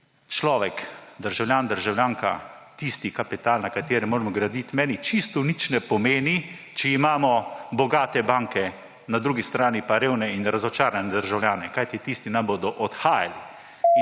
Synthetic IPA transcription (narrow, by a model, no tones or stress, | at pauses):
t͡ʃlɔːʋɛkd̪əɾʒawlʲjaːnd̪əɾʒawlʲjaːŋka̰t̪ist̪ikapit̪aːlnakat̪eːɾɛmoːɾɛmɔɡɾad̪it̪mɛːnit͡ʃist̪ɔnit͡ʃnɛpɔmeːni | t͡ʃɛimaːmɔbɔɡaːt̪ɛbaːŋkɛ | nad̪ɾuːɡist̪ɾaːnipaɾeːwnɛinɾazɔt͡ʃaːɾanɛd̪əɾʒawlʲjaːnɛkajt̪it̪ist̪inamboːd̪ɔʔɔt̪xaːja̰li